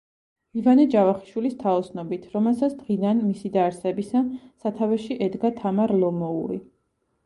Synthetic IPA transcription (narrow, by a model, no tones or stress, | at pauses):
ivanɛd͡ʒavaχi̥ʃwilist̪ʰaɔsnɔbit̪ʰɾɔmɛlˠsat̪sʰd̪ʁid̪anmisid̪aɾsɛbisasat̪ʰavɛʃiʔɛd̪ɡat̪ʰamaɾlˠɔmɔṵɾḭ